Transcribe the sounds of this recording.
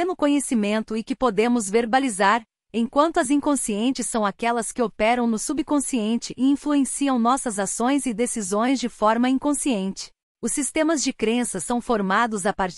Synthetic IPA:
nʊkõɲesimẽnt̪ʊɪkɪpod̪ẽmʊzveɾbalizaɾ | ẽj̃kwɐ̃nt̪ʊɐzĩŋkõsiẽnt͡ʃɪsːɐ̃w̃akɛlɐskɪopɛɾɐ̃w̃nʊsubikõsiẽnt͡ʃɪʔɪĩfluẽsiɐ̃w̃nɔsɐzasõj̃zɪd̪esizõj̃zd͡ʒɪfɔɾmɐĩkõsiẽnt͡ʃɪ̥ | ʊsːist̪ẽmɐzd͡ʒɪkɾẽsɐsɐ̃w̃foɾmad̪ʊzapaɾ

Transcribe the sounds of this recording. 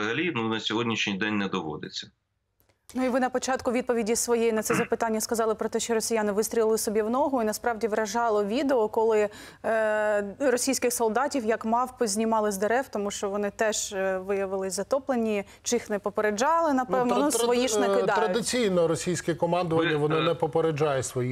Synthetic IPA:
ɦɐlʲinunɐsʲɔɦɔdʲnʲiʃnʲijd̪ɛnʲnɛd̪ɔʋɔ̰d̪ɪt͡sʲːɐ̥ | nuiʋɪnɐpɔt͡ʃɑt̪kʊʋʲid̪̚pɔʋʲidʲisʋɔjɛjinɐt̪sɛzɐpɪt̪anʲːɐskɐzɑlˠɪpɾɔt̪ɛʃt͡ʃɔɾɔsʲijanɪʋɪst̪ʲɾʲilɪlˠɪsɔbʲiwnɔɦʊinɐspɾɑʋdʲiʋɾɐʒɑlˠɔʋʲid̪eɔkɔlˠɪ | rɔsʲijsʲkɪxsɔlˠd̪ɑtʲiwjɐkmɑwpʊzʲnʲimɑlˠɪzd̪eɾɛwt̪ɔmuʃt͡ʃɔʋɔnɪt̪ɛʒ̥ʋɪjɐʋɪlˠɪzɐt̪ɔplˠenʲːi | t͡ʃɪixnɛpɔpeɾed͡ʒɑlˠɪnɐp̪ɛwnɔnʊsʋɔjiʃnɛkɪd̪ɑɾɐdd̪ɪt͡sʲijnɔɾɔsʲijsʲkɪkɔmɑnd̪ɔʋɐnʲːɐʋɔnɪnɛpɔpeɾed͡ʒɑjɛsʋɔji

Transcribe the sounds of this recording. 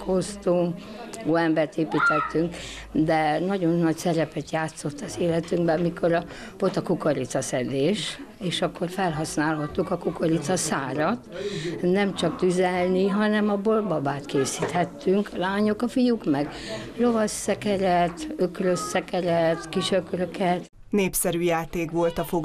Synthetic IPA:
kʰost̪oː | oːɛmbɛrt̪eːpiːt̪ɛt̪ːyŋk | d̪ɛnɒɟo̞nːɒcsɛɾɛpɛt̪jaːt̪so̞t̪ːɒzeːlɛt̪yŋɡbɛɒmikʰo̞ɾɒ | pot̪ɒkukɒɾit̪sɒsɛd̪eːʃ | eːʃɒkʰːo̞rfɛlɦɒsnaːlɦɒt̪ːukɒkukɒɾit̪sɒsaːɾɒt̪nɛmt͡ʃɒkt̪yzɛlniɦɒnɛmɒbo̞lbɒbaːt̪keːsiːt̪hɛt̪ːyŋkɒlaːɲokɒfijukmɛɡ | ro̞vɒsːɛkɛɾɛt̪økrøsːɛkɛɾɛt̪kiʃøkrøkɛt̪ | neːpsɛɾyːjaːt̪eːkʋo̞lt̪ɒfoɡ

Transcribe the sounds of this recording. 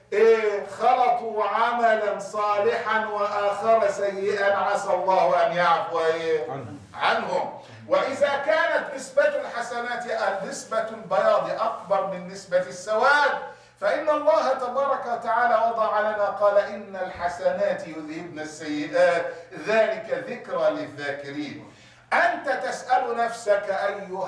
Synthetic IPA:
ʔeːxɑlɑt̪ˤuːʕamalansˤɑːlɪħanwaʔaxaɾˤasajːɪʔanʕasalˤːɑːhʔanjaʕfwaʔeː | ʕanhʊm | wɪʔɪðaːkaːnat̪nɪsbalħasanaːt̪ʔaːɪsbalbajɑːd̪ˤiʔak̚bɑɾˤmɪnːɪsbasːawaːd̪ | faʔɪnːɑlˤːɑːhat̪ɑbɑːɾˤɑkawat̪aʕaːlaːwɑd̪ˤɑʕalanaqɑːlaʔɪnːalħasanaːt̪jʊðhɪbnasːajːɪd̪aːt̪ðaːlɪkaðɪkɾalɪðːaːkɪɾiːn | ʔant̪at̪asʔalʊnafsakaʔajːʊ

